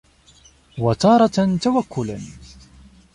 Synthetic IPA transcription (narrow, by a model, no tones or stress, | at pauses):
wat̪ɑːɾˤɑt̪awakːʊla